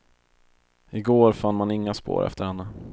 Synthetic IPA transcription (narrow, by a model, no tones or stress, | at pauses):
ɪɡoːɾfanːmanɪŋːaspo̰ːɾʔɛ̰ft̪əɾhɛnːə